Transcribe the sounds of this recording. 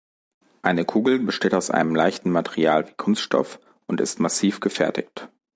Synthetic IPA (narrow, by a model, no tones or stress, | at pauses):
ʔaɪnəkʰuːɡl̩bəʃteːtaʊsʔa̰ɪnəmla̰ɪçtn̩matɛʁiaːlviːkʰʊnstʃtɔ̰f | ʔʊntɪ̰stmasiːfɡ̥əfɛɐtɪ̰çt